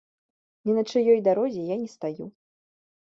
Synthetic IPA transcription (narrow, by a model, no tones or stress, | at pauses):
nʲinɐt͡ʂɨjɔjd̪aɾɔzʲɛjanʲɛst̪aju